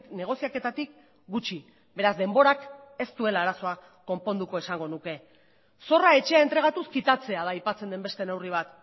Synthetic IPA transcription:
ne̞ɣ̞o̞siake̞t̪at̪ik | ɡut͡ʃi | be̞ɾazd̪e̞mbo̞ɾak | e̞st̪ue̞laːɾaso̞a | ko̞mpo̞nd̪uko̞e̞saŋɡo̞nuke̞ | so̞rae̞t͡ʃe̞ae̞nt̪ɾe̞ɣ̞at̪uskit̪at͡se̞aðajpat͡send̪e̞mbe̞st̪ene̞wriβ̞at̪

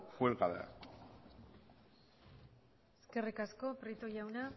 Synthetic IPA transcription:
fwelɣaðea̰ | eske̞rikasko̞pɾit̪ojawna

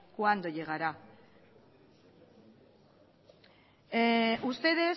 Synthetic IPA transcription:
kuand̪o̞jeɣ̞aɾa | ust̪e̞ðe̞

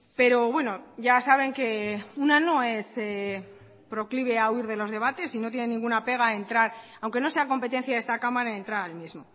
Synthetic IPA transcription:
pe̞ɾo̞βwe̞no̞ɟ͡ʝasaβ̞e̞ŋke̞unano̞e̞se | pɾo̞kliβe̞auiɾðe̞lo̞zð̞e̞β̞at̪e̞sino̞t̪je̞nenĩŋɡunape̞ɣ̞ae̞nt̪ɾaɾ | awŋke̞no̞se̞ako̞mpe̞t̪̬e̞n̟θjaðest̪akamaɾaent̪ɾaɾaelmizmo̞

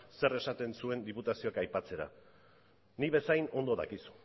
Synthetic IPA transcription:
se̞ɾe̞sat̪e̞nsue̞nd̪iput̪asioakajpat͡se̞ɾa̰ | niβe̞sajno̞nd̪o̞ða̰kisu̥

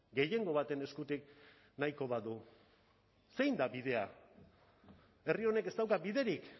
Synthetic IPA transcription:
ɡe̞je̞ŋɡo̞β̞at̪e̞ne̞skut̪ik | naiko̞βaðu | se̞jnd̪abið̞e̞a | e̞rio̞ne̞ke̞st̪awkabiðe̞ɾik

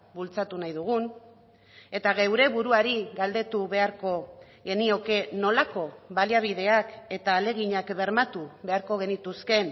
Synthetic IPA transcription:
bult͡sat̪unajðuɣ̞un | e̞t̪aɣewɾe̞βuɾuaɾiɣald̪e̞t̪uβe̞aɾko̞ | ɣe̞nio̞ke̞no̞lako̞βaliaβ̞ið̞e̞ake̞t̪aːle̞ɣ̞iɲakβe̞ɾmat̪uβe̞aɾko̞ɣ̞e̞nit̪uske̞n

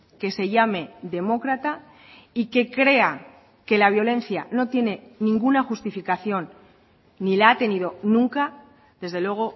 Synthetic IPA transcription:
ke̞se̞ʝame̞ðe̞mo̞kɾat̪a | ike̞kɾe̞a | ke̞laβ̞jo̞le̞n̟θjano̞t̪je̞ne̞nĩŋɡunaxust̪ifikaθjo̞nː | ilaat̪e̞nið̞o̞nũŋka | ðe̞zðelwe̞ɣ̞o̞

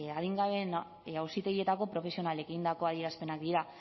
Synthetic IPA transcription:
aðiŋɡaβe̞n | awsit̪e̞ɣie̞t̪ako̞pɾo̞fe̞sio̞nale̞kind̪ako̞aðie̞ɾaspe̞nakd̪iɾa

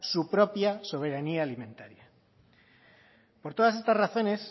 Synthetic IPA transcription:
supɾo̞pjaso̞β̞e̞ɾaniaːlimẽ̞nt̪aɾja | po̞ɾt̪o̞ð̞as̬e̞st̪asraθo̞ne̞s

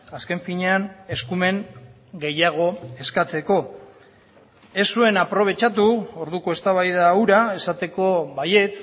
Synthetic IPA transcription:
aske̞ɱfiɲe̞ane̞skume̞ŋ | ɡe̞jaɣ̞o̞e̞skat͡se̞ko̞ | e̞sue̞napɾo̞β̞e̞t͡ʃat̪̬uo̞ɾðuko̞e̞st̪aβajð̞auɾae̞sat̪e̞ko̞βaje̞t͡s

